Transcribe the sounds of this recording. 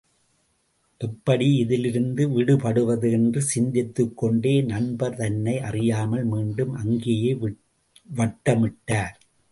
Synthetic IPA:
ʔɛpːɐɽiɪðɪlɪɾɯnd̪ɯʋɪɽɯpɐɽɯʋɐðɯɛndrɯsɪɲd͡ʒɪt̪ːɯkːɔɳɖeːnɐɳbɐɾt̪ɐnːɐɪʔɐrɪjaːmɐlmiːɳɖɯmʔɐŋɡejɐɪ | ʋɐʈːɐmɪʈːaːɾ

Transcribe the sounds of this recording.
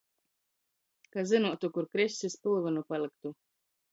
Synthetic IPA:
kazɨnuɔt̪ukuɾkɾɛsʲsʲispɨlˠvɨnupalˠɨk̚t̪u

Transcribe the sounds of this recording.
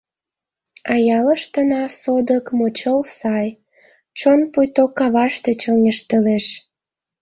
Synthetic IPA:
ɑjɑləʃt̪ənɑsod̪əkmot͡ɕəlsɑj | t͡ɕonpujt̪okːɑβɑʃt̪et͡ɕonʲəʃt̪əleʃ

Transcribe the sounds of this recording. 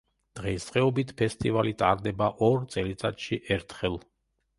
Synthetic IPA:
d̪̥ʁɛssʼqʼɛɔbit̪ʰpʰɛst̪ʼivalit̪ʼa̰ɾd̪ɛbaʔɔɾt̪sʼɛlit̪sʼat̪ʃiʔɛɾt̪ʰχɛlˠ

